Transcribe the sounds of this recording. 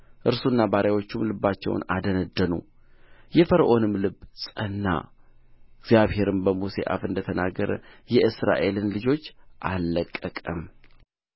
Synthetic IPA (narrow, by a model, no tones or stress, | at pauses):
ʔɨɾsunːabaɾʔjawo̞t͡ʃːumlɨbːat͡ʃːɛ̰w̰nad̪ənəd̪ːənṵ | jɛfəɾʔo̞nɨmlɨbsʼənːa̰ | ɡzjaβhe̞ɾɨmbəmusḛʔa̰fɨnd̪ət̪ʰənaɡəɾə̰jɛʔɨsɾa̰ʔe̞lɨnlɨd͡ʒo̞t͡ʃːʔalːəkʼːəkʼəm